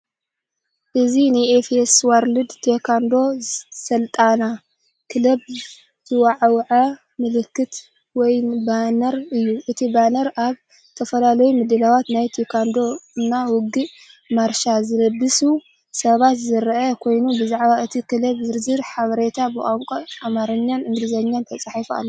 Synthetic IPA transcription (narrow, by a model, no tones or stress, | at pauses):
ʔɨzinɨefeswaɾlɨd̪t̪ʰekʰand̪o̞sɐlt̪ʼana | kʰɨlɐb | z̥ɨwaʕwʕɐ | mɨlɨkːɨt̪ | wɔjbanɐɾɨjːuʔɨt̪ʰibanɐɾʔaβ | t̪ʰɐfɐlalɐjumɨd̪ɨlawat̪najt̪ʰekʰand̪o̞nawʊɡɨʔ | maɾʃazɨlɐbːɨsu | sɐβat̪zɨɾʔɐkʰo̞jnubɨzaʕβaɨt̪ʰikɨlɐβzɨɾzɨɾħaβɐɾet̪ʰabɨʔʼamkʼoamaɾɐɲːanɨnɾɨzɐɲːant̪ʰɐt͡sʼaħifua̰lː